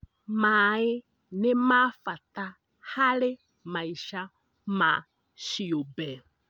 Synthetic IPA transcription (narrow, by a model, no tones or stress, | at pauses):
maːɪ | nemafat̪a | hale | mãiʃa | ma̰ | ʃiobɛ